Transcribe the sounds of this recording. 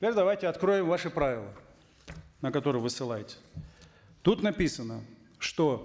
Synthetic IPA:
tʲɪpʲeɾʲd̪ɐvajtʲɪɐt̪kɾo̞jɪmvaʂɨpɾavʲɪlˠə̰ | nəkɐt̪o̞ɾɨjvɨsɨlˠajtʲɪ̥ | t̪ut̪nɐpʲisənə | ʂt̪o

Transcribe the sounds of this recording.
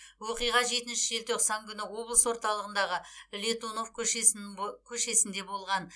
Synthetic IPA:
wo̞qijʁɑʒe̞t̪ɪnʃɪe̞lt̪ʰøqsɑŋkʲʰʏnɪwo̞blˠəswo̞ɾt̪ɑlˠəʁənd̪ɑʁəlʲe̞t̪ono̞fkʲʰɵʃesɪkʲʰɵʃe̞sɪnd̪e̞bo̞lˠʁɑn

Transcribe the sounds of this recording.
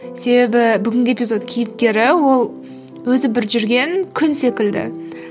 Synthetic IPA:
se̞be̞bɪbʏɡʲɪŋʲɡʲɪe̞pizo̞t̪kʲʰijɪp̚kʲe̞ɾɪwo̞lˠ | wɵzɪbɪɾʒʏɾɡʲe̞ŋkʲʰʏnse̞kʲɪld̪ɪ̰

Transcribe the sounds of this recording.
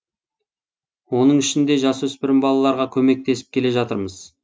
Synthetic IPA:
wo̞nəɴɪʃɪnd̪e̞ʒɑswɵspɪɾɪmbɑlˠɑlˠɑɾʁɑkʲʰɵme̞k̚t̪e̞sɪ̥p̚kʲʰele̞ʒɑt̪əɾməz̥

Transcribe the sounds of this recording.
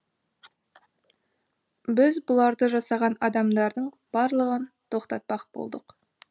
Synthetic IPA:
bɪzbʊlˠɑɾd̪əʒɑsɑʁɑnɑd̪ɑmd̪ɑɾd̪əɴ | b̥ɑɾlˠəʁənt̪ʰo̞qt̪ɑt̪̚pɑqbo̰lˠd̪əq

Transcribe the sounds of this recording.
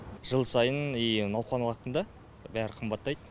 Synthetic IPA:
ʒəlˠsɑjənijnɑwqɑnwɑq̪ənd̪ɑ | bæɾɪqʰəmbɑt̪ːɑjd̪ə

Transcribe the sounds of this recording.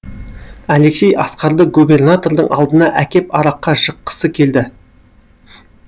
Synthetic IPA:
æle̞kse̞jʔɑsqɑɾd̪əq̚ɡube̞rnat̪o̞rd̪əɴʔɑ̰lˠd̪ənɑʔækʲe̞pɑɾɑqːɑʒəqːə̥səkʲʰe̞ld̪ɪ

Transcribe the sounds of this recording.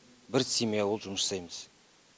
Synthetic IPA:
bɪɾsʲimijawolˠʒʊməssɑjməz̥

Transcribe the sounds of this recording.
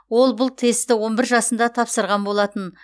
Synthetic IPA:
wo̞lˠbʊlˠt̪ʰe̞st̪ɪwo̞nbɪɾʒɑsənd̪ɑt̪ʰɑpsəɾʁɑnbo̞lˠɑt̪ən

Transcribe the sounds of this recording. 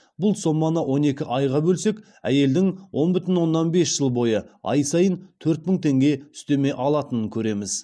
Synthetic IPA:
bʊlˠso̞mːɑnəwʔo̞ne̞kʲɪʔɑjʁɑbɵlse̞k | æ̰je̞ld̪ɪŋwʔo̞nbʏt̪ɪnwo̞nːɑnbe̞sʒ̥əlˠbo̞jəɑ̰jsɑjənt̪ʰɵɾt̪̚mɪŋt̪ʰe̞ŋɡʲe̞ʏ̥st̪e̞me̞ʔɑlˠɑt̪ənəŋkʲʰɵɾe̞mɪz

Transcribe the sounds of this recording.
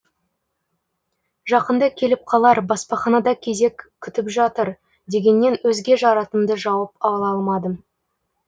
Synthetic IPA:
ʒɑqənd̪əkʲʰe̞lɪp̚qʰɑlˠɑɾbɑspɑχɑnɑd̪ɑkʲʰe̞ze̞kʲʰːʏt̪ɪpʒɑt̪əɾ | d̪e̞ɡʲe̞nːe̞nwɵzɡʲe̞ʒɑɾɑt̪əmd̪əʒɑwɑp̚ɑlˠɑlˠmɑd̪əm

